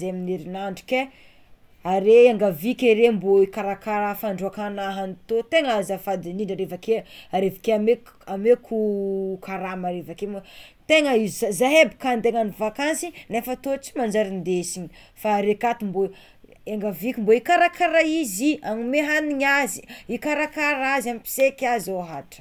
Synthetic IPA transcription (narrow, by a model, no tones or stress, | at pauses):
zeaminiɾinaɳɖ͡ʐi̥ke | aɾeaŋɡavikʲeɾemboikaɾakaɾafaɳɖ͡ʐuakanaɦanit̪ot̪eŋazafad̪iniɳɖ͡ʐaɾevakeaɾevakeame | amekʰukʰaɾamaɾevakemt̪eŋəizzazaɦebi̥kand̪eŋanivakansinefət̪ot͡si̥mand͡ʒaɾind̪esiɲi | faɾekat̪imbo | eŋɡavikʲimboikaɾakʰaɾaiziaŋimeɦaniɲaziikaɾakaɾazamipi̥sekʲazoɦaʈ͡ʂə̥